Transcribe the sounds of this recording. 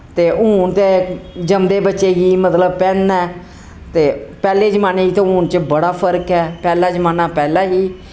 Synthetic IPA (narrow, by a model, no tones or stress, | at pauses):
t̪eːʔuːnt̪eːd͡ʒəmd̪eːbətːʃeːɡiːmət̪ləb̚pɛ̃ːnɛː | t̪eːpɛːleːd͡ʒəmaːneːiːt̪õːũːnt͡ʃbəɽaːpʰəɾkɛːpɛːlaːd͡ʒəmaːnaːpɛːlaːɦiː